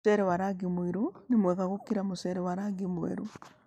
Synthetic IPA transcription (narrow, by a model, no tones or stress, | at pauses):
ɛɾɛwaɾaɡimwiɾonemwɛɣaɣokiɾamosɛɾɛwaɾaɡimwɛ̰ɾo